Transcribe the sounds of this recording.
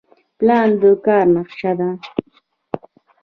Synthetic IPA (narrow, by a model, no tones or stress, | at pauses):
pland̪okaɾnɑχʃad̪a